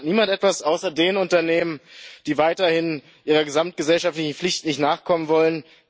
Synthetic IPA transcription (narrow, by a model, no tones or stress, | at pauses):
niːmantʔɛtv̥asʔaʊsɐdeːnʊntɐneːmənd̥iːvaɪtɐhɪn | ʔiːʁɐɡəzamt̚ɡ̥əzɛlʃaftlɪçn̩flɪçtnɪçtnaːχkʰɔmənvɔlən